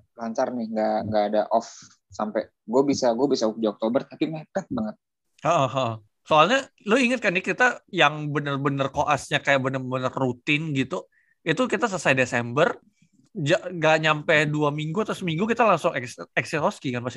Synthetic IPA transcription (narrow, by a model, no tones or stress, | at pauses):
laɲt͡ʃarnɪŋɡaŋɡaːdaʔɔf | sampɛ | ɡuabisaɡuabisauk̚d͡ʒaɔk̚t̪obərt̪apimakat̪̚baŋət̪̚ | əʔəhəʔə | soalɲa | lʊiŋət̪̚kanikit̪ajaŋbənərbənərkoʔasɲakajaʔbənərbənərːut̪ɪnɡit̪u | it̪ukit̪as̬əsajdesɛmbər | d͡ʒaʔɡaʔɲampɛduamiŋɡuat̪asəmiŋɡukit̪alaŋsʊŋɛksɛksiɾɔskiŋanpas